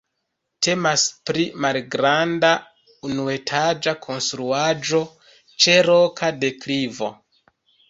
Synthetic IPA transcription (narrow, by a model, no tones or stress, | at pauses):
tʰe̞maspɾimalɡɾanda | unue̞tʰad͡ʒakʰo̞nstɾuad͡ʒo̞ | t͡ʃe̞ɾo̞kʰade̞klivo̞̰